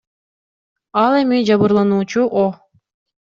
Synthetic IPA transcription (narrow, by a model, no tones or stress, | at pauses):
ɑlˠemid͡ʒɑβɯɾlˠɑnuːt͡ʃuʔo